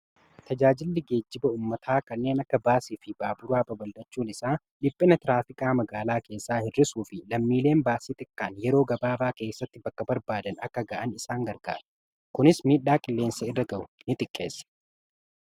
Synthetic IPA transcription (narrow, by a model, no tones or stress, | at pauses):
t̪ɐd͡ʒaːd͡ʒɪlːɪɡe̞ːd͡ʒːɪbɐuːmːɐt̪ʰaːkɐnːe̞ːnɐkːɐbaːsiːfɪbaːbʊɾaːbɐbɐld̪ɐt͡ʃːuːnɪsaː | ᶑɪpʼːɪnɐt̪ɪɾaːfɪkʼaːmɐɡaːlaːke̞ːsːaːhɪrːɪsuːfɪlɐmːiːle̞ːmbaːsiːt̪ɪkʼːaːnjɛɾo̞ːɡɐbaːbaːke̞ːsːɐt̪ːɪbɐkːɐbɐɾbaːd̪ɐnɐkːɐɡɐʔɐnɪsaːŋɡɐɾɡa̰ːɾɐ̥ | kʊnɪsmiːᶑːaːkʼɪlːe̞ːnsɐɪrːɐɡɐʔʊnɪt̪ʼɪkʼːe̞ːsːɛ̥